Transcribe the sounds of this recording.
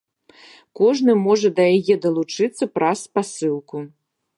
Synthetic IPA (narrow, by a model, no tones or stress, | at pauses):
kɔʐnɨmɔʐɐd̪ɐjajɛd̪ɐlˠut͡ʂɨt̪sːɐpɾɐspasɨlˠku